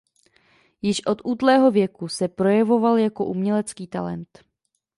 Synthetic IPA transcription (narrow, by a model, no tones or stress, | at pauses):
jɪʃʔo̞t̪ʔuːt̪lɛːɦo̞vjɛkusɛpɾo̞jɛvo̞valjako̞ʔumɲɛlɛt͡skiːt̪a̰lɛ̰nt̪